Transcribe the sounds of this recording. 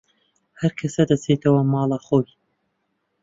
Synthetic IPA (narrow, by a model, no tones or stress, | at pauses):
hɐɾkʰɐsɐd̪ɐt͡set̪ʰɐwɐmɑːlˠɑxoːj